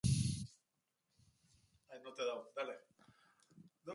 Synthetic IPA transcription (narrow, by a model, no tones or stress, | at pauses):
ajnot̪eðawd̪ale | no